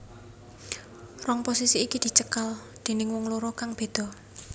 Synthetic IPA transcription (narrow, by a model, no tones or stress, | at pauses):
rɔŋposisiːkid̪̥i̤t͡ʃəkal | d̪̥e̤nɪŋwɔŋloɾɔkaŋb̥e̤d̪̥ɔ̤